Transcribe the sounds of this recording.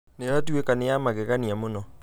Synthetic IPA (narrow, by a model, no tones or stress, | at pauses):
neɾat̬wekanejamaɣeɣaniamonɔ